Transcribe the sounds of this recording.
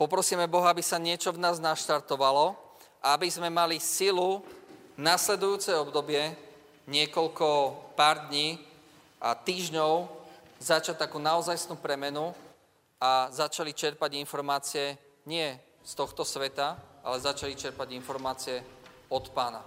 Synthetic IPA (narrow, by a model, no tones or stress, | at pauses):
pɔpɾɔsiːmɛbɔɦɔabisaɲɪɛt͡ʃɔvnaːznaʃt̪aɾt̪ɔʋalɔ | ʔaabizmɛmalisilu | naslɛd̪ujuːt͡sɛjɔbd̪ɔbɪɛ | ɲɪɛkɔʎkɔpaːɾd̪ɲiː | at̪iːʒɲɔʊ | zat͡ʃac̚t̪akuːnaɔzajsnuːpɾɛmɛnu | azat͡ʃalit͡ʃɛɾpaɟinfɔɾmaːt͡siɛ | ɲɪɛ | st̪ɔxt̪ɔsʋɛt̪aa̰lɛzat͡ʃalit͡ʃɛɾpaɟinfɔɾmaːt͡siɛɔt̪paːna